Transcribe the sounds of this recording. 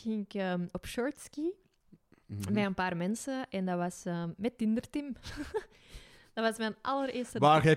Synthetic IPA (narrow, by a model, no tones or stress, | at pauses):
ɪŋkəmɔpʃɔɹtski | mɛənpaːrmɛnsəʔɛndɑʋɑsəmɛtːɪndərtɪm | d̥ɑʋɑsmɛnʔɑləɾeːrstəʋaːɣɛ